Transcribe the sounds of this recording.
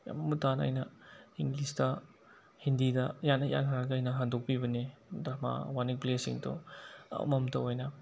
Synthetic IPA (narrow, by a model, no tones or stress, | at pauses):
ja̰mamutana̰jnɐiŋɡlistɐ | hindidɐjanɐja̰nɦaɾaɡɐajnɐɦandok̚pibɐnidɾama̰wanikplesiŋto̰ | mɐmtɐwojnɐ